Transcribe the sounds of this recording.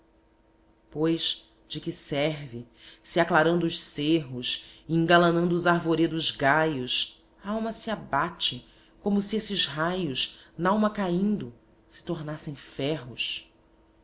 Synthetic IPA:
pojʃ | d͡ʒɪkɪsɛɾvɪ | siaklaɾɐ̃nd̪ʊːʃseɦʊsĩŋɡalɐ̃ñnd̪ʊːzaɾvoɾed̪ʊzɡajʊs | aawmɐsiabat͡ʃɪ | kõmʊsiesɪzɦajʊʃnaawmɐkaĩnd̪ʊ | sɪ̥t̪oɾnasẽj̃fɛɦʊs

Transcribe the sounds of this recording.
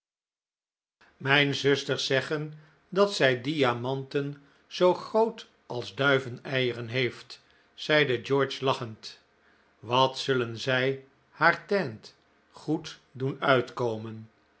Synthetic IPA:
mɛjnzɵstəɹsɛχən | dɑtsɛjdiamɑntən | z̥owχrowt | ʔɑlˠzdœɥvənɛjərənɦejft | sɛjdəd͡ʒɔɹt͡ʃlɑχənt | ʋɑtsɵlənzɛj | haːɹtɛnt | χutdunœɥtkowmən

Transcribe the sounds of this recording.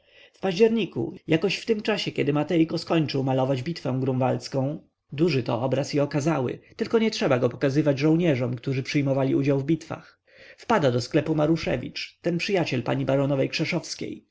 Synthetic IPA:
fpaʑd͡ʑɛɾɲikṵjakɔɕft̪ɘmt͡ʂaɕɛkʲɛd̪ɘmat̪ɛjkɔskɔɲt͡ʂɨwmalɔvad͡ʑbʲit̪fɛ̃w̃ɡɾũvalskɔ̃w̃ | d̪uʐɘt̪ɔ̰ʔɔbɾasjiɔkazawɘ̰t̪ɘlkɔɲɛtʂɛbaɡɔpɔ̥kazɘvad͡ʑʐɔ̃w̃ɲɛʐɔmkt̪uʐɘpʂɘjmɔvalʲiʔud͡ʑawvbʲit̪fa̰x | fpad̪ad̪ɔsklɛpumaɾuʂɛ̰vʲḭt͡ʂt̪ɛnpʂɘjat͡ɕɛlpa̰ɲibaɾɔnɔvɛjkʂɛʂɔfskʲḛj

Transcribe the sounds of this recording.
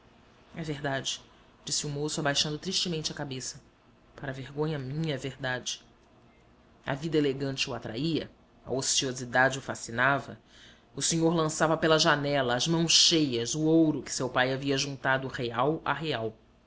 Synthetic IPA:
ɛveɦd̪ad͡ʒɪ | d͡ʒisɪʊmosʊabajʃɐ̃nd̪ʊt̪ɾiʃt͡ʃɪmẽnt͡ʃɪɐkabesɐ | paɾɐveɾɡõɲɐmĩɲɐɛvehd̪ad͡ʒɪ | ɐ̰vid̪ɐeleɡɐ̃nt͡ʃɪʊat̪ɾʔaiɐ̰ | ɐ̰osiozid̪ad͡ʒɪʊfasinavɐ̰ | ʊseɲoɾlɐ̃savɐpelɐʒanɛlɐːzmɐ̃w̃sʃejɐzʊowɾʊkɪ̥sewpajaviɐʒũt̪ad̪ʊheawa̰ɦeaw

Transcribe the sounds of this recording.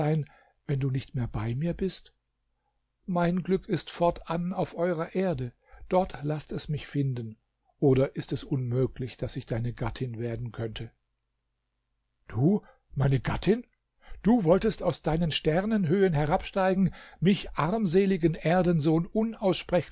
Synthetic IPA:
aɪn | vɛnduːnɪçtmeːɐbaɪmiːɐbɪst | maɪnɡlʏkʰɪstfɔɐtʰanaʊfʔɔʏʁɐʔeːɐdə | d̥ɔɐtʰlastɛsmɪçfɪndən̩ | ʔoːdɐʔɪstɛsʔʊnmøːkʰlɪçd̥asɪçd̥aɪnəɡatʰɪnveːɐdn̩kʰœntʰə | d̥uː | maɪnəɡatʰɪn | d̥uːvɔltəstaʊsd̥aɪnənʃtɛʁnənɦøːənɦɛʁapʃtaɪɡŋ̩mɪçʔaʁmzeːlɪɡənʔeːɐdənzoːnʔʊnaʊsʃpʁ̥ɛç

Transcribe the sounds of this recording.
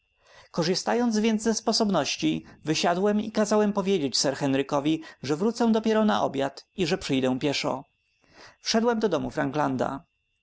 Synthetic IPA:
kɔʐɨst̪ajɔnd̪zvʲjɛnd̪zɛspɔsɔbnɔɕt͡ɕivɘɕad̪wɛmikazawɛmpɔvʲjed͡ʑet͡ɕsɛɾxɛnɾɘkɔvʲiʐɛvɾut̪sɛ̃d̪ɔpʲjeɾɔnaʔɔ̰bʲjat̪iʐɛpʂɘjd̪ɛw̃pʲjɛʂɔ̰ | fʂɛd̪wɛmd̪ɔd̪ɔmufɾaŋɡland̪a̰

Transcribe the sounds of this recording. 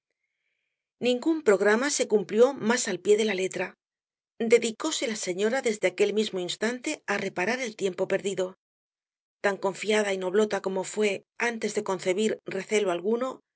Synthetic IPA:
nĩŋɡumpɾo̞ɣ̞ɾamase̞kumpljo̞masalpje̞ðe̞lale̞t̪ɾa | d̪e̞ðiko̞se̞lase̞ɲo̞ɾaðe̞zðeake̞lmizmo̞inst̪ant̪e̞are̞paɾaɾe̞lt̪je̞mpo̞pe̞ɾðiðo̞ | t̪aŋko̞ɱfiað̞aino̞β̞lo̞t̪ako̞mo̞fwe̞ | ant̪e̞zðe̞ko̞nθe̞β̞iɾre̞θe̞loalɣuno̞

